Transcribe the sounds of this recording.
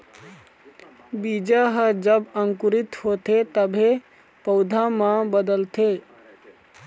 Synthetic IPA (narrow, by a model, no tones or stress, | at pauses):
bid͡ʒaɦəd͡ʒəbəŋkuɾit̪hot̪et̪əbʱe | pəʊd̪ʱamãbəd̪əlt̪e